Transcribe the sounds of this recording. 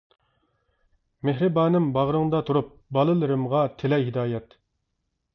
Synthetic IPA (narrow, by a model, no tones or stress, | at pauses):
meɦɾɨbɑːnɨmbɑʁɾɨŋd̪ɑt̪ʰuɾup̚bɑlˠɨlˠɨɾɨmʁɑt̪ʰelɛjɦid̪ɑːjɛt̪